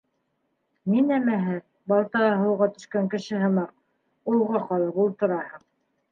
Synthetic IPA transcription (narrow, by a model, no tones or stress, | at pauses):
ninæmæɦɘ | bɑlˠt̪ɑɑɦɤ̆wʁɑt̪ɵ̆ʃkæŋkɘ̆ʃɘɦɤ̆mɑq | ulˠʁɑqɑlˠɤpulˠt̪ŏɾɑhɤq